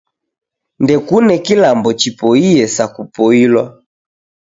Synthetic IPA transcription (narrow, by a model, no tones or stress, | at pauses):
ndɛkunɛkilambɔt͡ʃipɔiɛsakupɔilwa